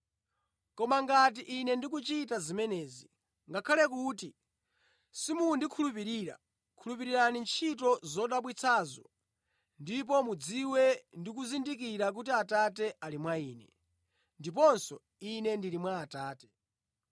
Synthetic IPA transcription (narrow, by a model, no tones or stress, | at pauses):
kɔmaŋɡat̬iʔːnɛndik̬ut͡ʃitazimɛnɛːzi | ŋɡakʰalɛk̬uːti | simundikʰulup̬iɾiːɾa̰ | kʰulup̬iɾiɾanint͡ʃʰit̬ɔzɔɗaɓwit͡sʰazɔ | ndip̬ɔmud͡ziwɛndik̬uzindik̬iɾak̬utiatatɛʔalimwaiːnɛ | ndip̬ɔnsɔ | inɛndiɾimwaːtaːtɛ̥